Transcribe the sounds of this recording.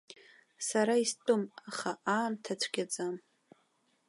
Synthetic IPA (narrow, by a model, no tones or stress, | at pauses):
saɾaistʼɨmaχaʔaːntʰat͡ɕʷʰɡʲad͡zʼam